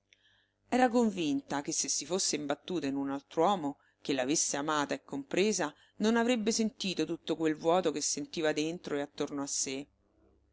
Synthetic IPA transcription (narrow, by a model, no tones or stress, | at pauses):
ɛːɾakoɱvint̪ak̟esːesːifosːeimbat̪ːuːt̪ainunalt̪ɾwɔːmo | k̟elːavesːeamaːt̪aekːompɾeːza | nonavɾebːesent̪iːt̪ot̪ut̪ːokwelvwɔːt̪ok̟esːent̪iːvad̪ent̪ɾoeat̪ːornoasːe